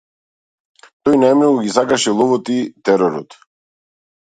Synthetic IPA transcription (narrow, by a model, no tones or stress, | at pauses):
t̪ɔjnajmnɔɡuɡisakaʃɛlˠɔvɔt̪it̪ɛɾɔɾɔ̰t̪